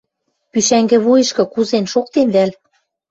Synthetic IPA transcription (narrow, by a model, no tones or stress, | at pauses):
pyʃæŋɡɘ̆βujɤ̆ʃkɤ̆kuzenʃok̚t̪enβæl